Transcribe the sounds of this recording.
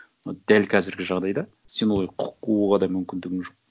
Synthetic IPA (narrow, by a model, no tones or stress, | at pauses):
nɑd̪ælkʲʰæzɪɾɡʲɪʒɑʁd̪ɑjd̪ɑ | se̞nwolqʰʊ̥qːuwuʁɑd̪ɑmʏmkʲɪnd̪ɪɡʲɪŋʒoq̚